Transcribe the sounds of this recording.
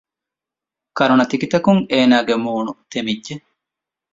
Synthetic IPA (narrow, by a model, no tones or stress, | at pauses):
kɐɾunɐt̪ikit̪ɐkuŋeːnaːɡemuːnut̪emidd͡ʒe